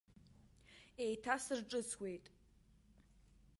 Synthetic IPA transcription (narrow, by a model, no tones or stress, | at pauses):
ejtʰasɨrʈ͡ʂʼɨt͡sʰwe̞jtʼ